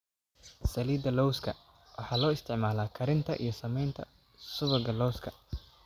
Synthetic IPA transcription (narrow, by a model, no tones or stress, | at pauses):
sɐliːd̪ɐlɔwskʰɐ | wɑħɑːlɔːɪst̪ʰɪʕmaːlaːkʰɐɾɪnt̪ʰɐ̰ʔḭjɞsɐmɛjnt̪ʰɐ̰ | sʊβɐɡɐlɔwskʰɐ